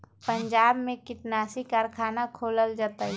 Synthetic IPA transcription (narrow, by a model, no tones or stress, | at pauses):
pəɲd͡ʒaːbmẽkɪʈnaːsikaːɾkʰaːnakʰoːləld͡ʒaːt̪aːɦɛ